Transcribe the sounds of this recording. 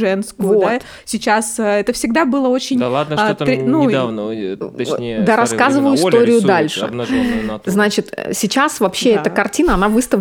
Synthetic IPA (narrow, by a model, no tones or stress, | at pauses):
ʐɛnskoa | sʲɪt͡ɕasəɛt̪əfsʲɪɡd̪abɨlˠəo̞t͡ɕɪnʲad̪t̪ɾʲnu | d̪aɾɐskazɨvəjʊɪst̪ʲo̞ɾʲɪjʊd̪alʲʂɨ̰ | znat͡ɕɪt̪sʲɪt͡ɕasvɐpɕːeɛt̪əkɐrtʲinəɐnavɨst̪ə